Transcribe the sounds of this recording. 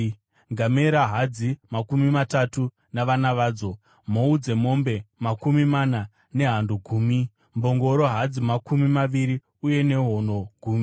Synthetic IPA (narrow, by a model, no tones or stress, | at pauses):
ŋɡameɾaɦad͡zimakumimatatu | naʋanaʋaːd͡zo̞ | moud͡ze̞mo̞mbe̞makumimana | ne̞ɦanduɡʱuːmi | mbo̞ŋɡo̞ɾo̞ɦad͡zimakumimaʋiɾi | uje̞ne̞ɦo̞no̞ɡʱuːmi